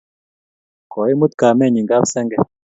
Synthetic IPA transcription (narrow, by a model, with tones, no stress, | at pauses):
kɔ˨i˦mu˦t̪ka˨mɛ˦˨ɲi˨ŋɡa˦bsɛ˦ŋɡɛ˦˨